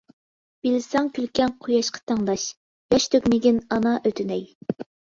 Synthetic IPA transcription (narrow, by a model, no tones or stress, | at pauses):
b̥ilɪsɑŋkʲylkʲɛŋqʰojɑʃqʰɑ̥t̪ʰɑŋd̪ɑʃ | jɑʃt̪ʰøkʲmɪɡʲɪnɑnɑʔøt̪ʰynɛj